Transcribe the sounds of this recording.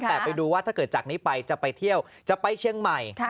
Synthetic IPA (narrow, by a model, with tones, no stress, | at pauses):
ɛː˨˩pa˧jduː˧waː˥˩t̪ʰaː˥˩kɤː˨˩t̪̚t͡ɕa˨˩k̚niː˦˥pa˧jt͡ɕa˨˩pa˧jt̪ʰi˥˩əw | t͡ɕa˨˩pa˧jt͡ɕʰi˧əŋma˨˩j